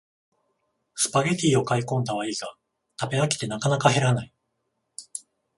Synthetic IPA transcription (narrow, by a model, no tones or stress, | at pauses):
sɨ̥paɡet̪ʲiːo̞kaikõ̞nd̪aβaiːɡa | t̪abe̞akʲi̥t̪e̞nakanakahe̞ɾanai